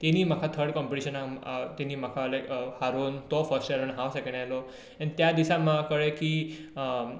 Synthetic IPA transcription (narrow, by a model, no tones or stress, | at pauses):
t̪iniːm̤akʰat̪ʰəɾɽkɔmpiʈiɕənat̪iniːmakʰalakhaɾuːnt̪ɔfəɾsʈaɾunɦãwsekeɳɖalɔ | añit̪jad̪isamakəɭekiː